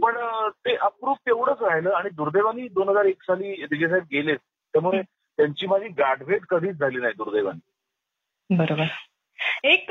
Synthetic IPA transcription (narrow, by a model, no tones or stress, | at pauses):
pəɳt̪eʔəp̚ɡɾuːft̪eʋɽət͡sɾaɦiləːaɽ̃id̪uɾd̪eʋaniːd̪onɦəd͡zaɾeksaliːd̪iɡes̬ait̪̚ɡelet̪ | t̪jamuɭe | t̪jaɲt͡ɕiːmad͡ʑʱiːɡaɖʋʱeʈkəd̪ʱiːt͡sd͡zʱaliːnaɦid̪uɾd̪eʋ̤a̰niː | bəɾobəɾ | ek